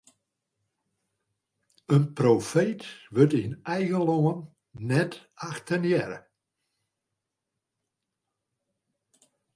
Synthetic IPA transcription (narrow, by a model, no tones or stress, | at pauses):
ənprofeːtʋøtiənɛjɣəloənː | ɛtaxtənjɛɾə